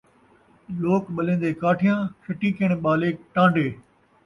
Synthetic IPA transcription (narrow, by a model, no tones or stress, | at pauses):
loːkɓɐlẽːn̆d̪eːkaːʈʰɪjãːkʰɐʈikiəɽ̃ɓaːleːkʈãːɳɖeː